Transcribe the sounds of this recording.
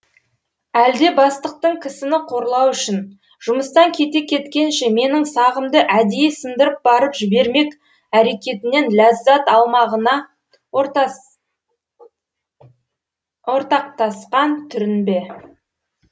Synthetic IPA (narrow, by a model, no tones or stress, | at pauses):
æld̪e̞bɑst̪əq̚t̪əɴkʲʰɪsɪnɪqʰo̞ɾlˠɑwʏʃɪn | ʒ̥ʊməst̪ɑŋkʲʰe̞t̪e̞kʲʰe̞t̪kʲe̞nʃe̞me̞nɪŋsɑʁəmd̪əʔæd̪ejesənd̪əɾəp̚bɑɾəpʒɪbe̞ɾme̞k | æɾe̞kʲe̞t̪ɪne̞nlʲæzːɑt̪ɑlˠmɑʁənɑ | wo̞ɾt̪ɑq̚t̪ɑsqɑnt̪ʰʏɾɪnbe̞